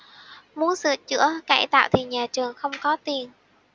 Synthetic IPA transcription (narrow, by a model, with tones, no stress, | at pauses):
mu˨˦ənsɨ̰˧˨ət͡ɕɨ̰˧˥əka̰˧˩jt̪a̰ː˧˨wt̪ʰḭ˨˩nɲaː˨˩t͡ɕɨ˨˩əŋxə˧wŋ͡mkɔ˨˦t̪i˨˩ən